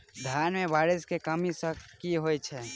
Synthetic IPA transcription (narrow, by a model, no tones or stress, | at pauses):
d̪ʱjaːnmẽbaːɾɪskekəmisəkiɦoːet͡ʃʰɛ